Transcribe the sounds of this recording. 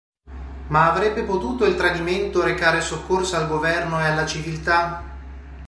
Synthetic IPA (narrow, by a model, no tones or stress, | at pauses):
maːvɾɛbːepot̪uːt̪oilt̪ɾad̪iment̪oɾekaːɾesokːorsoalɡovɛrnoealːat͡ʃivilt̪a